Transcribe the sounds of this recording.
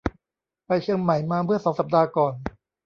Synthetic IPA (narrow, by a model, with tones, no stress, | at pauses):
pa˧jt͡ɕʰɯ˧əŋma˨˩˦jmaː˧mɯ˥˩ɐsɔː˩˦ŋsa˨˩p̚daː˧kɔː˨˩n